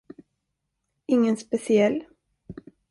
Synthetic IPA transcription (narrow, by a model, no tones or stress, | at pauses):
ɪŋːənspɛsɪɛlː